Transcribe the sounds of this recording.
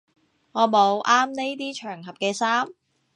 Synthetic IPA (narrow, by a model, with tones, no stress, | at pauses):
ŋɔː˨˧mo˨˧wʔaː˥mne˥jt̪̬iː˥t͡ʃʰœː˨˩ŋɦɐ˨p̚kɛː˧saː˥m